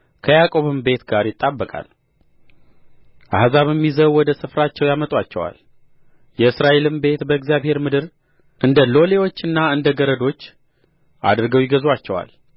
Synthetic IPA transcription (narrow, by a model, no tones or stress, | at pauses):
kʰəjakʼo̞βɨmbe̞t̪ɡaɾjɪt̪ʼːabːəkʼa̰l | ʔahzaβəmːizəβwɔd̪əsɨfɾat͡ʃːɛwjamət̪ʼwat͡ʃːɛ̰wa̰l | jɛɨsɾaʔe̞lɨmbe̞t̪bəɨɡzijaβhe̞ɾmɨd̪ɨɾ | ʔɨnd̪əlo̞le̞wo̞t͡ʃːɨnːaɨnd̪əɡəɾəd̪o̞t͡ʃː | ʔa̰d̪ɾɡəwjɪɡəzwat͡ʃːɛwa̰l